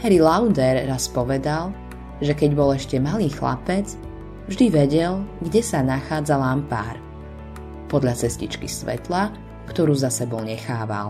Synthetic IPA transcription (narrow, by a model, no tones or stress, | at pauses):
hɛɾilaʊd̪ɛɾːaspɔʋɛd̪al | ʒɛkɛɟbɔlɛʃcɛmaliːxla̰pɛt͡s | vʒd̪iʋɛɟɛlɡɟɛsanaxaːd͡zalampa̰ːɾ | pɔd̪ʎat͡sɛscit͡ʃkisʋɛ̰t̪la | kt̪ɔɾuːzasɛbɔlɲɛxaːʋa̰l